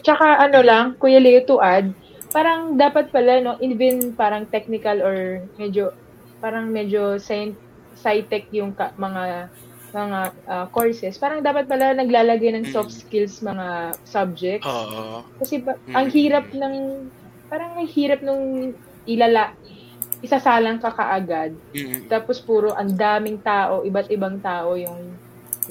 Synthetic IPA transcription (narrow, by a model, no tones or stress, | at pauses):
t͡ʃɐkaʔɐno̞lɐŋkʊjɐlɛt̪ʊʔad̪̚ | paːɾɐŋd̪aːpɐt̪̚pɐlano̞ʔivɛnpaːɾɐŋt̪ɛk̚nɪkɐloɹmɛd͡ʒo̞ | paːɾɐŋmɛd͡ʒo̞sajnt̪ | sajt̪ɛk̚jʊŋkɐmɐŋa | mɐŋaʔɐkoɹsɛspaːɾɐŋd̪aːpɐt̪̚pɐlanɐɡlaːlɐɡajnɐŋsofskɪlsmɐŋasɐb̚d͡ʒɛk̚t̪skɐsɛpɐʔɐŋhiːɾɐp̚nɐŋ | paːɾɐŋmɐjhiːɾɐp̚nʊŋ | ʔɪlɐlaʔ | ʔɪsɐsaːlɐŋkɐkɐ̰ʔɐɡad̪̚t̪aːpo̞spuːɾoʔɐnd̪aːmɪŋt̪aːʔo̞ʔɪbat̪ʔɪbaŋt̪aːʔo̞jʊŋ